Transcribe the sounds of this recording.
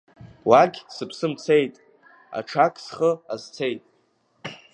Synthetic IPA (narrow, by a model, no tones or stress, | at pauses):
waɡʲsɨpʰsɨmt͡sʰe̞jtʼ | a̰ʈ͡ʂʰakʰʼsχəazt͡sʰe̞jtʼ